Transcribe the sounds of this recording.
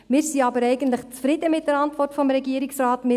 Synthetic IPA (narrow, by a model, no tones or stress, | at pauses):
mɪːɾsiɑbəɾɛɪɡən̩tləχt͡sfɾɪdəmɪt̚d̥əɾɑntvɔrtfɔmɾɛɡiəɾɪksraːtmɪ